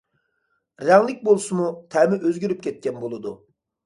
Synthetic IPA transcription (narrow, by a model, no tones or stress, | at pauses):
ɾɛŋlˠɪk̚ʲbolˠsumut̪ʰɛmɪʔøzɡʲyɾyp̚kʲɛt̪̚kʲʰɛnbolˠɨd̪u